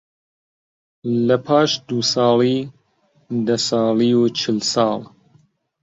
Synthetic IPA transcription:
lɐpʰɑːʃd̪uːsɑːliː | d̪ɐsɑːliːut͡ʃʰɨlsɑːl

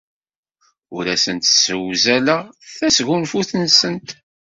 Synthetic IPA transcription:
ʊɾæsənt̪səwzæləʁθæsʝunfuθnsənt̪

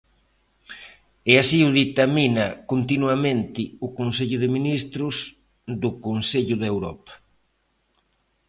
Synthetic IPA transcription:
ɛasiʊðit̪aminakont̪inwamẽnt̪ɪʊkonseʎʊðɪminist̪ɾʊs | d̪ʊkonseʎʊðewɾɔ̰pḁ

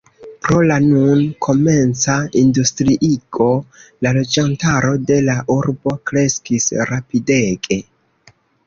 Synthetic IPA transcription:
pɾo̞lanunkʰo̞me̞nt͡saindustɾiʔiɡo̞lalo̞d͡ʒantaɾo̞de̞laʔuɾbo̞kɾe̞skisɾapideɡe̞

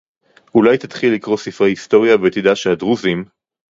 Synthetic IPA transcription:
ulajt̪at̪χilːikʁo̞sifʁehist̪o̞ʁjabet̪id̪aʃead̪ʁuzim

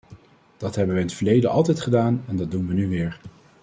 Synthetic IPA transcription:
d̥ɑtɦɛbəʋəɪnətfəɹlejdəʔɑ̰lˠtɛjtχədaːnɛndɑd̚dunʋənyʋɪːɹ

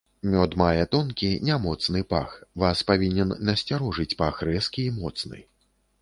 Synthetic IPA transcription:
mʲɔd̪majɛt̪ɔnkʲinʲamɔt̪snɨpaxvaspavʲinʲɛnːɐsʲt͡sʲaɾɔʐɨt͡sʲpaxrɛskʲiːmɔt̪snɨ̰

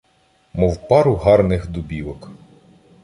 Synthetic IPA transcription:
mɔwpɑɾʊɦɑrnɪxd̪ʊbʲiʋɔk

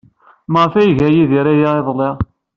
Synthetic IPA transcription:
məʁfæjʝæjiðiɾæjaeðˤlˤɪʁ

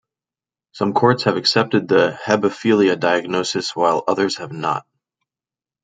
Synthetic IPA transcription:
sʌ̃mkʰɔɹtshɨvɨksɛp̚tɨd̪̚ðɨhɛbɨfilˠiɨdaɪɨɡ̚noʊsɨswaɪlˠʌðə˞z̥ɨvnə̰t̚

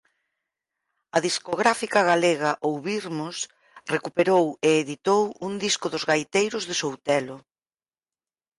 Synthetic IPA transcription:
ɐðiskoɣɾafikɐɣaleɣɐʔowβiɾmʊs | rekupeɾoweːðit̪owuŋd̪iskʊðʊzɣajt̪ejɾʊzðɪsowt̪ɛlʊ

